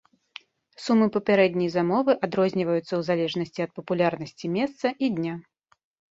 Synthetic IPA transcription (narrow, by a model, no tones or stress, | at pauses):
sumːɨpɐpʲaɾɛd̪ʲnʲɐjzamɔvɨʔad̪ɾɔzʲnʲivɐjut̪sːɐwzalʲɛʐnɐsʲt͡sʲiɐt̪̚pɐpulʲarnɐsʲt͡sʲimʲɛst̪sɐʔid̪ʲnʲa